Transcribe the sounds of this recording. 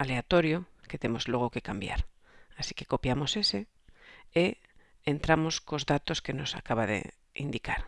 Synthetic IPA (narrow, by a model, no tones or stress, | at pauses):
ale̞at̪o̞ɾjoket̪e̞mo̞zlwo̞ɣ̞o̞ke̞kambja̰ɾ | asi̥ke̞̥ko̞pjamo̞se̞se̞ | e | ent̪ɾamo̞sko̞zðat̪o̞ske̞no̞sa̰kaβ̞aðḛ | ḭnd̪ikaɾ